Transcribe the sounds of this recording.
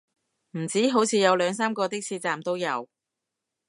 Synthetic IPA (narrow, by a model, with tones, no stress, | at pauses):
m̩˨˩t͡siː˨˥ɦo˨˥wt͡sʰiː˨˧jɐ˨˧wlœː˨˧ŋsaː˥mkɔː˧t̪ɪ˥k̚sʰiː˧t͡saː˨mt̪o˥wjɐ˨˧w